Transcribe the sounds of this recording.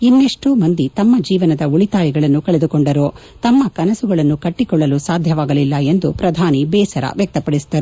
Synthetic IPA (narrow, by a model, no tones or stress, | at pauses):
inːeʂʈuːmɐnd̪it̪ɐmːɐd͡ʒiːʋɐnɐd̪ɐuɭit̪aːjiɡɐɭɐnːukɐɭed̪ukɔɳɖɐɾoː | t̪ɐmːɐkɐnɐsuɡɐɭɐnːukɐʈːikɔɭːɐlusaːd̪ʱjɐʋaːɡɐlilːɐe̞nd̪upɾɐd̪ʱaːnibɛːsɐɾɐ̰ʋjɐk̚t̪ɐpɐɽisd̪ɐɾu